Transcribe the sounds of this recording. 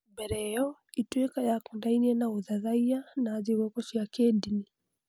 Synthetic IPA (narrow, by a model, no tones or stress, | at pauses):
bɛɾɛjɔitwɛkajakɔndainiɛnauðaðaianaziwɔkɔʃiakɛdini